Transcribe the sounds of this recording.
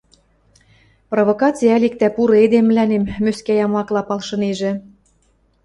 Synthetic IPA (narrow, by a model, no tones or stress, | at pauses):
provokɑt͡sijæælik̚t̪æpuɾɤ̆ed̪emːlænemːøskæjɑmɑklɑpɑlʃɤ̆neʒĕ